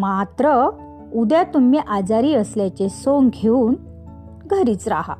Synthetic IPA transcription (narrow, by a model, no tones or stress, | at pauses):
mat̪ɾə | ud̪jat̪umːiʔad͡zaɾiːəsljat͡ɕesoŋɡɡʱeuːn | ɡʱəɾiːt͡sɾa̰ha̰